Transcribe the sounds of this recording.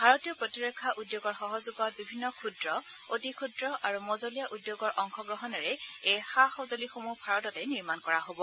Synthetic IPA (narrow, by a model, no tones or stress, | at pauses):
bʱaɹɔtijɔpɹotiɹɔkʰːaʔudjoɡɔɹxɔɦɔzuɡɔt̚bibʱinːɔkʰudɹɔotikʰudɹɔʔaɹumozolijaʔudjoɡɔɹʔɔŋxʰɔɡɹɔɦɔnɛɹɛejxaxozolixomupʰaɹɔtɔtɛniɹmankɔɹaɦobɔ